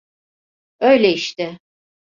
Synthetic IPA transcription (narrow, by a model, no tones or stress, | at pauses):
ø̞jlʲɛiʃt̪ɪ